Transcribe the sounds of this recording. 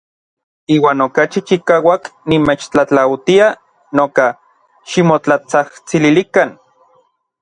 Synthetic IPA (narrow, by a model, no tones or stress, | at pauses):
iːwaːnokat͡ʃit͡ʃikaːwaknimeːt͡ʃt͡ɬat͡ɬawt̪ia | noka | ʃimot͡ɬat͡saht͡sililikan